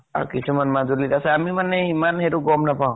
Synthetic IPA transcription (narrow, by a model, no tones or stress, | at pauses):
a̰kisʰumanmazuɾlitasɛamimanːɛimanɦeɾuɡɔmnapaw̃